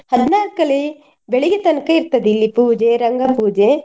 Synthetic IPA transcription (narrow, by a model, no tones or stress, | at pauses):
hɐd̪ʱnaːɾkɐɭe | beɭiɡet̪ɐnkɐiɾt̪ɐd̪ilːipuːd͡ʒeɾɐŋɡɐpuːd͡ʒe